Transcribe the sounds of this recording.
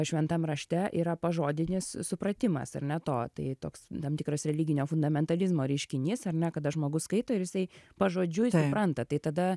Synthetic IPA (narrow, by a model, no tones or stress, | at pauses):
ʃʲʋʲɛnt̪ɐmrɐʃʲt̪ʲɛʔḭːɾɐpɐʒoːd̪ʲɪnʲɪssʊpɾɐt̪ʲɪmɐ̰sɐ̰rnʲɛt̪oːt̪ɐɪt̪oːkst̪ɐmt̪ʲɪkɾɐsɾʲɛlʲiɡʲɪnʲoːfʊnd̪ɐmʲɛnt̪ɐlʲɪzmoːɾʲɛɪʃʲkʲɪnʲɪsɐrnʲɛkɐd̪ɐʒmoːɡʊskɐɪt̪oːɪɾjɪsɐɪpɐʒoːd͡ʒʲʊjsʊpɾɐnt̪ɐt̪ɐɪt̪ɐd̪ɐ